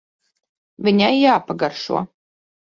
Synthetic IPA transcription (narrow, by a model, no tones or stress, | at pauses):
vʲiɲʲajːaːpaɡaɾʃṵɔ